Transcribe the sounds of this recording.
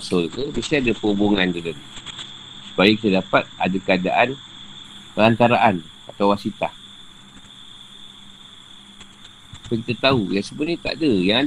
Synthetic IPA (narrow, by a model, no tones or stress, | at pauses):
sɔlkəbisiadəpəubuŋandədəl | sə̥bajikit̪adapat̪̚a̰dakəada̰ʔan | pəlant̪aɾaʔan | at̪awasit̪ah | pəŋkit̪ət̪aujasəbunĩt̪a̰ʔdəjaŋa